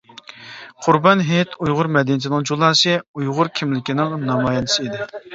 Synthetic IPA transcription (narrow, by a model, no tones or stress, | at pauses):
qʰʊɾbɑnɦet̪ʰujʁʊɾmɛd̪ɪnɪt̪̬ʰɪnɪŋd͡ʒulˠɑːsɨujʁʊɾkʲʰimlɪkʲinɪŋnɑmɑjɑnɨsɨid̪ɪ